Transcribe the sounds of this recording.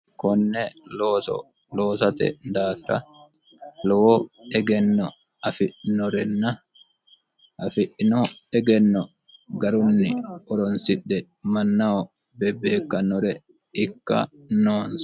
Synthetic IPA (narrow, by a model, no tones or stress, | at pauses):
kɔnːɛloːsɔ̰ | loːsɐt̪ɛ̰nd̪aːfɪɾɐ̰ | lɔwoɛɡɛnːɔ | ɐfɪʔɪnɔɾɛnːɐ | ʔɐfɪʔɪnɔɛɡɛnːɔ | ɡɐɾʊnːɪɔɾɔnsɪᶑːɛ | mɐnːɐɔ | bɛbːeːkːɐnɔɾɛ | ɪkːɐ̰ | noːns